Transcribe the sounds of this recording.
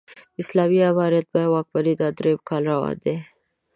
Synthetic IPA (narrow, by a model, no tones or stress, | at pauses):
ɪslaːmiaβaːɾjət̪̚bawaːk̚bɐɾid̪ad̪ɾeb̚kʰalɾawa̰d̪e